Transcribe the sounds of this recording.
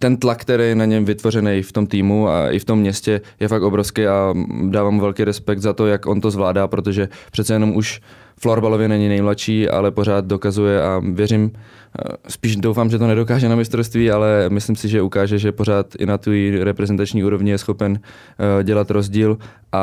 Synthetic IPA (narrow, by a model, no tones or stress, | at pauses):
t̪ɛnt̪lakːt̪ɛɾɛːjɛnaɲɛmvɪt̪vo̞rɛnɛjft̪o̞mt̪iːmua̰ʔɪ̰ft̪o̞mːɲɛscɛjɛfakt̪o̞bɾofskɛjadaːvaːmuvɛlkiːɾɛspɛk̚t̪zat̪o̞jakʔo̞nt̪o̞zvlaːdaːpɾo̞t̪o̞ʒɛpr̝̥ɛt̪t͡sɛjɛno̞muʃ | floɾbalovjɛnɛɲɪnɛjmlaʃiːʔa̰lɛpo̞ɾ̝aːt̪̚do̞kazujɛʔavjɛɾɪm | spiːʒdowfaːmʒɛt̪onɛdokaːʒɛnamɪst̪ɾofst̪viːalɛmɪslɪmsɪʒɛʔukaːʒɛʒɛpo̞ɾ̝aːt̪ʔɪ̰nat̪ijɾɛpɾɛzɛnt̪at͡ʃɲiːʔuːɾo̞vɲɪjɛsxo̞pɛn | ɟɛlat̪ɾo̞zɟiːl | ʔa